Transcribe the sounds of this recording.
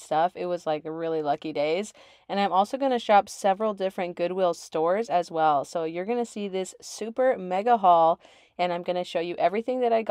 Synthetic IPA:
stʌfɪt̚wʌzlaɪkɹɪlˠilʌkideɪz | ɨ̃nãɪ̃mɔlˠsoʊɡʌñɨʃɑpsɛvɹl̩ˠdɪfɹɨ̃nɡ̥ʊd̚wɪlˠstɔɹzɨzwɛlˠsoʊjə˞ɡʌnɨsiðɪsʉpə˞mɛɡəɦɔlˠ | ɨ̃ñãɪ̃mɡʌnɨʃoʊjɨʔɛvɹiθɪ̃ŋðɨɾaɪɡ

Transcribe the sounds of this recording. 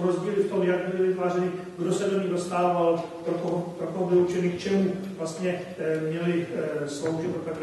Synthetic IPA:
ɾozɟiːlɪft̪o̞mjaɡbɪlɪlɪt̪vaːrɛnɪ | ɡdosɛdoɲɪɣdost̪aːvalpɾokoɦpɾokoɦbɪlut͡ʃɛnikt͡ʃɛmuvlast̪ɲɛ | mɲɛlɪslowʒɪt̪pop̪ɛp

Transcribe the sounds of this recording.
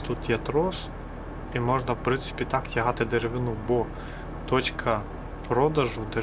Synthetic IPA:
t̪ut̪jɛt̪ɾɔs | imɔʒnɐwpɾɪnsɪ̥pʲit̪ɑktʲɐɦɑt̪ɪd̪eɾeʋɪnubɔ | t̪ɔt͡ʃkʰɐ | pɾɔd̪ɐʒʊd̪e

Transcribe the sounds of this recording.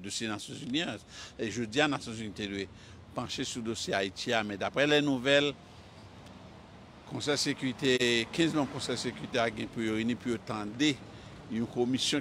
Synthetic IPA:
dosjenasjɔ̃zynia | eʒød͡zianasjɔ̃zynitedwe | pãʃesud̪osjeaitiamɛ̃d̪apʁɛlɛnuvɛl | kɔ̃sɛjsekyit̪ekʰɛ̃zmãmkɔ̃sɛjsekyʁit̪eaɡɛ̃pijoinipujot̪ãde | jũkomisjɔ̃

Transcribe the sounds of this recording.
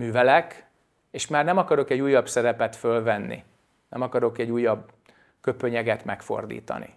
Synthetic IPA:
myːvɛlɛk | eːʃmaːrnɛmɒkɒɾo̞kɛɟːuːjːɒbsɛɾɛpɛt̪følvɛnːḭ | nɛ̰mɒkɒɾo̞kɛɟːuːjːɒb | kø̞pø̞ɲɛɡɛt̪mɛkfo̞̰rd̪ḭːt̪ɒ̰nḭ

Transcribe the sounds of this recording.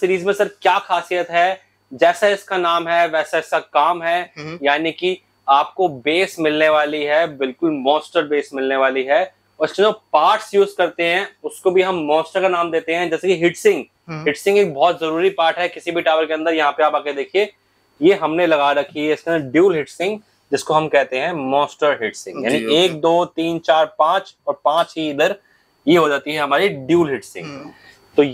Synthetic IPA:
sɪɾiːzmẽsɐɾkjaːxaːsijət̪ɦɛː | d͡ʒɛːsaɪskanaːmɦɛʋɛːsaɪskakaːmɦɛjaːniki | aːp̚kobeːsmɪlneʋaːliɦɛbɪlkʊlmɔ̃ːsʈəɾbeːsmɪlneʋaːliɦɛː | ɔːɾɪskeoːpaːɾʈsjuːzkɐɾt̪eɦɛ̃ʊskobʱiɦɐmːɔ̃ːsʈəɾkanaːmd̪eːt̪eɦɛ̃d͡ʒɛːsekiɦɪʈsɪ̃ŋɡ | ɦɪʈsɪ̃ŋɡeːk̚bɔːt̪zɐɾuːɾipaːɾʈɦɛkɪsibʱiʈaːʋəɾkeɐ̃nd̪əɾjɐɦãpeaːpaːked̪eːkʰie | jeɦɐmnelɐɡaɾɐkʰiɛɪskeɐ̃nd̪əɾɖjuːlɦɪʈsɪ̃ŋɡ | d͡ʒɪskoɦɐmkɛɦt̪eɦɛ̃mɔ̃ːsʈəɾɦɪʈsɪ̃ŋɡjaːnieːk̚d̪oːt̪iːnt͡ʃaːɾpãːt͡ʃɔːɾpãːt͡ʃɦiiːd̪əɾ | jeɦod͡ʒaːt̪iɦɛɦɐmaːɾiɖjuːlɦɪʈsɪ̰̃ŋɡ | t̪o

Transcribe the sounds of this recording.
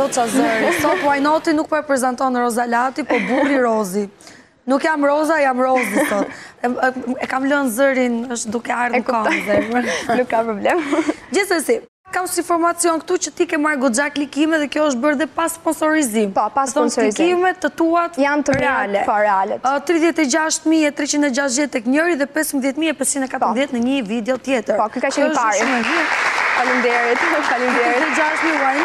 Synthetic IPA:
dɔt͡sazəɾisɔt̪ajnɔt̪inuk̚pɔɛpɾɛzɛnt̪ɔnɾɔzalat̪ipɔburiɾɔzi | nukjamɾɔzajamɾɔziθɔt̪ɛɛkamlənzəɾinəʃt̪d̪ukɛaɾkɔzɛlukːapɾɔblɛmd͡ʑisɛsipakamsinfɔɾmat͡siɔnkət̪ut͡ɕət̪ikɛmaɾɡɔd͡ʒaklikimɛðɛkjɔəʃ̬t̪̚bəɾðɛpaspɔnsɔɾizimpɔpaθɔnsliizkimɛt̪ːət̪uat̪jant̪əɾɛalɛpɔɾɛalɛt̪t̪ɾiðjɛt̪ɛd͡ʑaʃt̪miɛt̪ɾɛt͡ɕind̪ɛd͡ʑat̪ðjɛt̪ːɛkɲəɾiðɛpɛsmbðjɛt̪miɛpɛst͡ʃind̪ɛkat̪ɾəðjɛt̪nəɲəvid̪ɛɔt̪jɛt̪əɾpɔkikat͡ʃɛɔəʃaɾmɛvifalind̪ɛɾit̪kaliɛiɛd͡ʒaʃt̪miwajn

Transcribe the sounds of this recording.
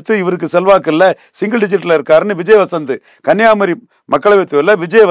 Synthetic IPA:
t̪ːɯɪʋɐɾɯkːɯsɛlʋaːkɪlːɐ | sɪŋɡɐɖɪd͡ʒɪʈːɐlɪɾɯkːaːɾɯnɯʋɪd͡ʒɐjɐʋɐsɐnd̪ɯ | kɐnjaːmɐɾi | mɐkːɐɭɐʋet̪ːɯʋɛlːɐʋɪd͡ʒɐjɐʋ

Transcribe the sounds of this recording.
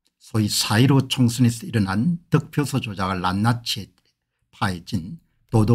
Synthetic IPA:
sʰoisʰaiɾot͡ɕʰʌŋsʰɯnisiɾɯnantɯk̚pʰjosʰʌd͡ʑod͡ʑaɡɯɭːanːat͡ɕʰie | pʰaet͡ɕin | todo

